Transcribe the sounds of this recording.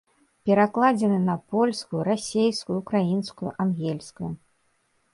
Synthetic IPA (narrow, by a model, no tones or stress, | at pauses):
pʲɛɾaklˠad͡zʲɛnɨnɐpɔlʲskujuɾasʲejskujuukɾajinskujṵʔanɣʲɛlʲskuju